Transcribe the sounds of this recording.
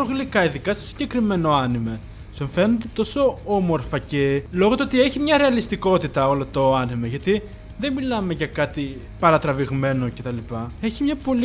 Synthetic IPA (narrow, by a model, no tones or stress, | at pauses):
oɣlikɐiðikɐst̪osi̥ɟekɾime̞no̞ɐnime | soɱfe̞nond̪et̪o̞so̞o̞mo̞ɾfɐce̞lo̞ɣot̪oot̪ie̞çimɲɐɾe̞ɐlist̪iko̞t̪it̪ɐo̞lot̪o̞ɐnimɐʝɐt̪i | ðe̞milɐme̞ʝɐkɐt̪i | pɐɾɐt̪ɾɐviɣme̞no̞ce̞t̪ɐlipɐe̞çimɲɐpo̞li